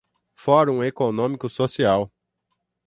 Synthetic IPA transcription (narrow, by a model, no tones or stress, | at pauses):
fɔɾũekonõmikʊsosiaw